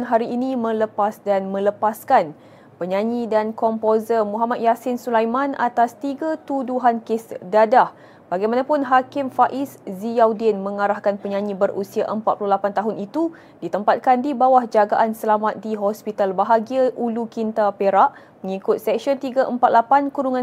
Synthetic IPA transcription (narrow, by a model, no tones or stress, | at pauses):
nɦaɾiːnĩmə̃ləpasdanmə̃ləpaskan | pəɲãɲidankɔmpozəmũɦamat̪̚jasɪnsulajmãna̰t̪ast̪iɡat̪uduɦankɪsdadah | baɡajmanãpʊnɦakɪmfaʔɪszijawdinmə̃ŋaɾahkanpəɲãɲĩbəɾusiaʔəmpat̪̚pululapant̪aɦʊnit̪u | dit̪əmpat̪̚kandibawahd͡ʒaɡaʔansəlamat̪̚diɦɔspit̪albaɦaɡiaʔulukint̪apeɾaʔ | məŋikʊt̪̚sɛk̚ʃɔnt̪iɡaʔəmpat̪̚lapankuɾuŋã